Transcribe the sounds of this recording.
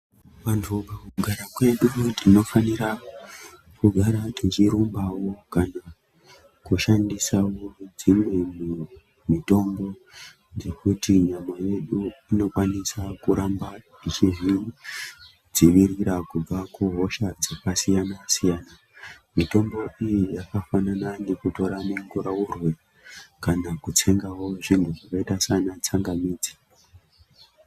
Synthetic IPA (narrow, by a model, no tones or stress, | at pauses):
ʋantʰukakuuɡʱaɾakwe̞ɗutino̞faniɾa | kuɡʱaɾatʰit͡ʃiɾumbawo̞kana | kuʃandisawod͡zimwe̞mu | mito̞mbo̞ | d͡ze̞kutiɲamaje̞ɗuino̞kwanisakuɾamba | it͡ʃiʐi | d͡ziʋiriɾakub͡vakuɦo̞ʃad͡zekasijanasijaːna | mito̞mbo̞ijijakafanananekuto̞ɾamuŋɡuɾaurwe | kanakut͡se̞ŋɡawo̞ʐintuʐakaitasanat͡saŋɡamiːd͡zi